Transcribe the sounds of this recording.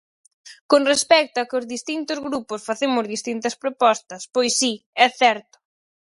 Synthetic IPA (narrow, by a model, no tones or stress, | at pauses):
koŋrespɛk̚t̪oɐkɪʊzðist̪int̪ʊzɣɾupʊsfaθemʊzðist̪int̪ɐspɾopɔst̪ɐspojsːiɛθɛɾt̪ʊ̥